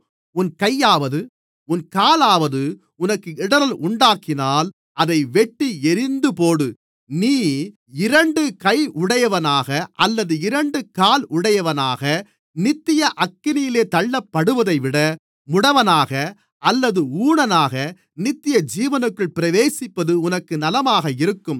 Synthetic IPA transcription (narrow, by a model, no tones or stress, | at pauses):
ʊnkɐjːaːʋɐðɯ | ʊnkaːlaːʋɐðɯ | ʊnɐkːɯɪɽɐɾɐlʔʊɳɖaːkɪnaːl | ʔɐðɐɪʋɛʈːiɛɾɪnd̪ɯpoːɽɯ | niː | ɪɾɐɳɖɯkɐɪʊɽɐjɐʋɐnaːɣɐʔɐlːɐðɯɪɾɐɳɖɯkaːlʊɽɐjɐʋɐnaːɣɐ | nɪt̪ːɪjɐʔɐkːɪnɪjɪleːt̪ɐɭːɐpːɐɽɯʋɐðɐɪʋɪɽɐ | mʊɽɐʋɐnaːɣɐ | ʔɐlːɐðɯuːɳɐnaːɣɐ | nɪt̪ːɪjɐd͡ʒiːʋɐnɯkːɯɭpɪɾɐʋeːsɪpːɐðɯʊnɐkːɯnɐlɐmaːɣɐɪɾɯkːɯm